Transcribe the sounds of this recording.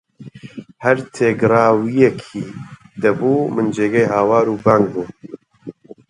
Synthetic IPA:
hɛɾt̪ʰeːɡɾaːwijɛkʰiːd̪ɐbuːmɨnd͡ʒeːɡejɦaːwaːɾuːbaːŋɡ̚buː

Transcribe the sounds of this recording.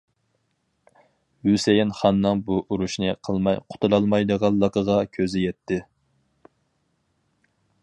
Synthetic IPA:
hysejinχɑnːɨŋbuʔuɾuʃnɨqʰəlˠmɑjqʰʊ̥t̪ʰulˠɑlˠmɑjd̪əʁɑllˠːəqʰəʁɑkʲʰøzɪjɛt̪ʰːɪ

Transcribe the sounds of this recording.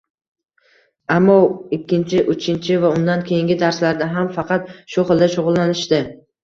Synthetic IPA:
amːɒɪkʲːɪnt͡ʃʰɪʔʊt͡ʃʰɪnt͡ʃʰɪvaʊnd̪ankʲʰejɪŋɡʲɪd̪aɾslaɾd̪aɦamfɑqʰɑt̪ʃʊχɨlˠd̪aʃʊʁʊlˠːanɪʃt̪ɪ

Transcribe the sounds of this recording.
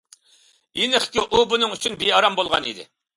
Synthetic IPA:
jinɪχkʲiʔubunɨŋyt͡ʃʰynbeɑɾɑmbolˠʁɑ̰nḭd̪ɪ̰

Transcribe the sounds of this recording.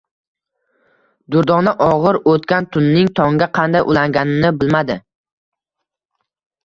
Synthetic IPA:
d̪ʊɾd̪ɒnaʔɒʁɨɾot̪kʲant̪ʰʊnːɪŋt̪ʰɒŋɡʲaqʰɑnd̪ajʔʊlaŋɡʲanɪnɪbɪlmad̪ɪ

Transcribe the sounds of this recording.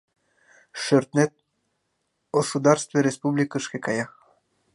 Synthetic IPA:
ʃørt̪net̪̚ | ɡosud̪ɑrst̪veɾʲespublʲikəʃkekɑjɑx

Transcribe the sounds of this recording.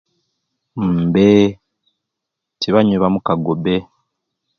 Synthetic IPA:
m̩be | tiβaɲuβamukaɡobe

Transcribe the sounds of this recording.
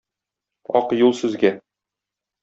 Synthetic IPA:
ɒ̰qjulˠsʉzɡæn

